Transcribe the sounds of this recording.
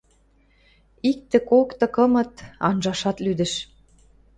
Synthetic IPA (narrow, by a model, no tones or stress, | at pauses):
ik̚t̪ĕkokt̪ɤ̆kɤ̆mɤ̆t̪ɑnʒɑʃɑt̪lyd̪ə̆ʃ